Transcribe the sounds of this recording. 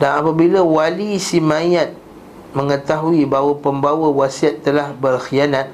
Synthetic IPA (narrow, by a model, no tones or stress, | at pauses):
danapabilawalisimãjat̪̚ | mə̃ŋə̃t̪aɦuibawapəmbawəwasiat̪ːəlahbərxianãt̪̚